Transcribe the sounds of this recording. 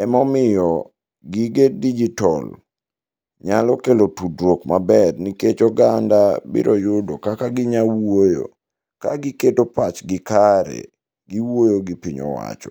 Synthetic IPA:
ɛmɔmɪjɔ | ɡiɡedid͡ʒitɔl | ɲalɔkelotudwokmabɛrniket͡ʃɔɡandabḭɾʔojʊdokakaɡɪɲawojo̰ | kaɡɪketopat͡ʃɡɪkaɾḛ | ɡiwojoɡɪpiɲɔ̰wa̰t͡ʃɔ̥̰

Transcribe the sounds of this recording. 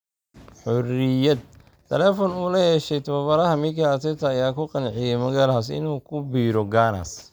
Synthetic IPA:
ħɔrɪjɐd̪̚ | t̪ʰɛlɛːfɔnuːlɐhɛʃɛjt̪ʰɐβɐβɐɾɐɦɐmɪkʰɐːt̪ʰɛt̪ʰɐːjaːkʰʊqɑnʕɪjɛmɐɣaːlhas̬ɪ̰nuːkʰʊbiːɾɔɡaːnɐ̰s

